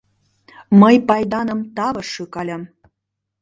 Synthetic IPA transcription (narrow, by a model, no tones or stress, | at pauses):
məjpɑjd̪ɑnə̆mt̪ɑβɤ̆ʃɯkɑlʲə̆m